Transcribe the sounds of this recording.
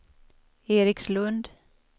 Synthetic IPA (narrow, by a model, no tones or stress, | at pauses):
eːɾɪkslɵnd̪